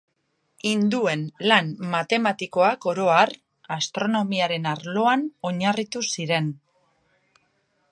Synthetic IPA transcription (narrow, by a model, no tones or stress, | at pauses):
ind̪ue̞nlanmat̪e̞mat̪iko̞ako̞ɾo̞ar | ast̪ɾo̞no̞miaɾe̞naɾlo̞ano̞ɲarit̪usiɾe̞n